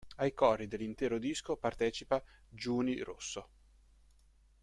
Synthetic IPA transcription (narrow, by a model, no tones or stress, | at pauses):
ajkɔrːid̪elːint̪ɛːɾod̪iskopart̪ɛːt͡ʃipad͡ʒuːnirʔosːo